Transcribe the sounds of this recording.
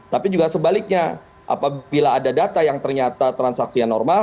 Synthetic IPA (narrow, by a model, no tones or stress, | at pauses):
t̪apid͡ʒuɡasəbalɪk̚ɲa | ʔa̰pailaːdadat̪ajaŋt̪ərɲat̪at̪ɾansaksianɔrma